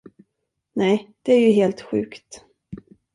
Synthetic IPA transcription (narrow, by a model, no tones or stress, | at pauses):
nɛjd̪̥ɛæɾjɵɦeːlt̪ɧʉ̟̰ːkt̪